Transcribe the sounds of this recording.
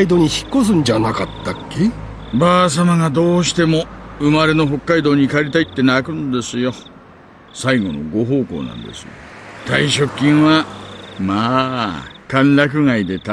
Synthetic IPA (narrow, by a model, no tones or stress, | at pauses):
id̪oːɲ̟içi̥kːos̬ɨ̃ɲd͡ʑanakat̪ːakːe | baːs̬amaŋad̪o̞ːɕi̥t̪e̞mo̞ɯ̟maɾe̞no̞ɦo̞kːaid̪o̞ːɲ̟ikaɾʲit̪ait̪ːe̞nakɯ̟̃nd̪e̞sɨjo̞ | saiɡo̞no̞̰ɡo̞ɦo̞ːko̞̰ːnã̰nd̪e̞̰sɨjo̰t̪aiɕo̞kʲːĩɰ̃βamaː | kãnɾak̬ɯ̟ŋaid̪e̞t̪a